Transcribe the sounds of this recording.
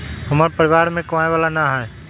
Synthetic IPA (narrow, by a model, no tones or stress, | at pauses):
ɦɐmaːɾpəɾɪʋaːɾmẽkɐʋaːeʋaːlanaɦɛː